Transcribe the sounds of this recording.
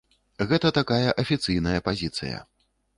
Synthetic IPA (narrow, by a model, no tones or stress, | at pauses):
ɣɛt̪ɐt̪akajɐʔɐfʲit̪sɨjnɐjɐpazʲit̪sɨ̰jɐ̰